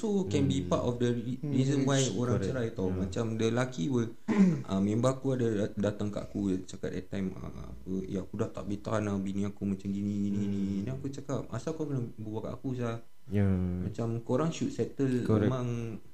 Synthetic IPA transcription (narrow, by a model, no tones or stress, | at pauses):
sokɛnbipa̰tɔfdəɹizənwajoɾaŋt͡ʃəɾajt̪ɔmãt͡ʃamdəlakiwil | ʔamẽmbakuadadat̪aŋka̰ʔakut͡ʃakat̪ɛ̰t̪ːajma̰a̰pəjãkudaht̪a̰ʔ̚bit̪anabinĩakumãt͡ʃamɡinĩɡininĩniakut͡ʃakap̚a̰sakakənabəwaka̰ʔa̰kus̬ah | mat͡ʃamkoɾaŋʃut̪̚sɛt̪əlemãŋ